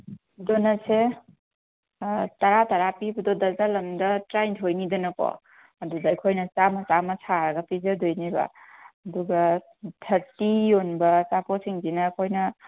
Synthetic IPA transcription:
donɐse | tɐɾatɐɾapibudodɐzalɐmdɐtɾajntʰojnidɐnɐkɔ̰ | ɐdudɐːkʰojnɐt͡ʃamɐt͡ʃamɐsʰaɾɐɡɐpizɐdojnibɐ̰ː | duɡɐ | tʰɐɾtijonbɐsaposiŋdinɐkʰojnɐ

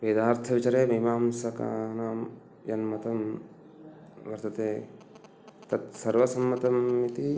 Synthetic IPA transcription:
peːd̪aːɾt̪ʰɐʋit͡ʃɐɾeːmɐɦimaːmsɐka̰ːnaːm | jɐnmɐt̪ɐm | ʋɐɾt̪ɐt̪eː | t̪ɐt̪sɐɾʋɐsɐmːɐt̪ɐmːit̪i

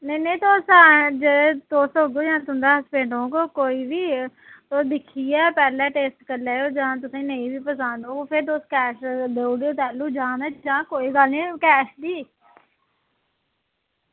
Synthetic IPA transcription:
nənẽĩt̪oːsaːd͡ʒet̪oːsɦoːɡoːd͡ʒãːt̪ʊ̃nd̪aːspẽːɳɖõːkoːkoːiːʋiːt̪oːsd̪ɪkʰːiːɛːpɛːlɛ̃ːʈeːsʈkəɾleːjoːd͡ʒãt̪̬ʊsẽːnəĩːbiːpəsãːnd̪õːkoːpʰɪɾd̪oːskɛːʃd̪eːɽoːt̪ɛːluːd͡ʒãːd̪aːd͡ʒãːkoːiːɡaːlĩːkɛːʃd̪iː

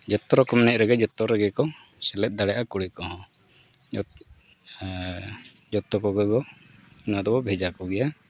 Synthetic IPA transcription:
d͡ʒɔt̪ːɔɾɔkɔmnɛʔɾɛɡɛd͡ʒɔt̪ːɔɾɛɡɛkɔsɛlɛt̪̚ˀd̪aɽɛʔakuɽikɔɦɔ̃ | d͡ʒɔt̪ːɔkɔɡɛɡɔunad̪ɔbɔbʱɛd͡ʒakɔɡɛja

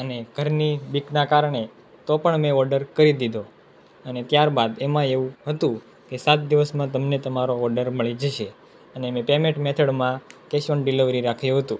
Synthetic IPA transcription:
əneɡ̥ʱəɾnibiknakaɾɳe | t̪opəɳmẽɔɾɖəɾkəɾid̪id̪ʱo | ənet̪jaɾbad̪emãeũɦət̪ũ | kesat̪̚d̪iʋəsmãt̪əmnet̪əmaɾoɔɾɖəɾməɭid͡ʒəʃe | ənemẽpemẽʈmɛt̪ʰəɽmãkeʃonɖiliʋɾiɾakʰjũɦət̪ũ

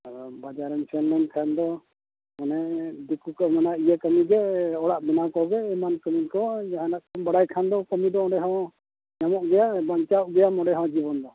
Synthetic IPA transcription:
ɔbad͡ʒaɾɛnt͡ʃʰɛnlɛnkʰand̪ɔ | manɛd̪ikukəmanaʔijakəmiɡɛɔɽaʔbɛnakɔɡɛɛmankəminkɔjaɦanaʔkbaɽajkʰand̪ɔkɔmid̪ɔɔ̃ɖɛɦɔ̃ | ɲamɔʔɡɛjabaɲt͡ʃaʔɡɛjamɔɖɛɦɔ̃d͡ʒibɔnd̪ɔ

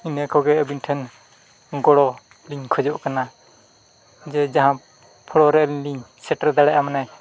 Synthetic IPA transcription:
inɛkɔɡɛəbinʈʰɛn | ɡɔɽɔ | liɲkʰɔd͡ʒɔʔkana | d͡ʒɛd͡ʒaɦã | pʰɔɽɔɾɛʔliɲliɲsɛʈəɾd̪aɽɛʔamanɛ

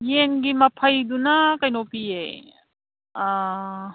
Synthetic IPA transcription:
jenɡimɐpʰɐjd̪unakɐjnopie | a

